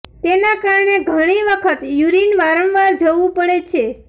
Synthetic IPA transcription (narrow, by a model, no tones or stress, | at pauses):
t̪enakaɾɳeɡʱəɽ̃iʋəkʰət̪juɾinʋaɾənʋaɾd͡ʒəʋũpəɽet͡ʃʰe